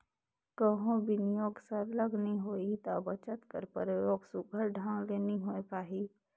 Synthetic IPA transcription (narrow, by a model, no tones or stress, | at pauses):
kəɦõbɪnɪjoːɡsəɾləɡniɦoːit̪aːbət͡ʃət̪kə̰ɾpəɾjoːɡsʊɡʱəɾɖʱãːŋleːniɦoːepaːɦiː